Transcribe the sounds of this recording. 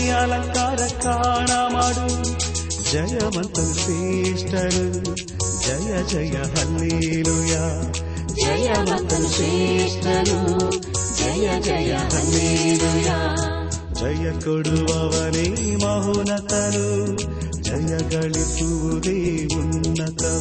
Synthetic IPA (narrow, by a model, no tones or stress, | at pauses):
jaːlɐŋkaːɾɐkaːɳaːmaːɽu | d͡ʒɐjɐmɐnt̪ɐsesʈɐɾu | d͡ʒɐjɐd͡ʒɐjɐɦɐlːiluja | d͡ʒɐjɐmɐnt̪ɐlseʂʈɐɾu | d͡ʒɐjɐd͡ʒɐjɐɦɐlːielujaː | d͡ʒɐjɐkoɽuʋɐʋɐnemɐɦunɐt̪ɐnu | d͡ʒɐjɐɡɐɭipuʋud̪eː | unːɐt̪ɐ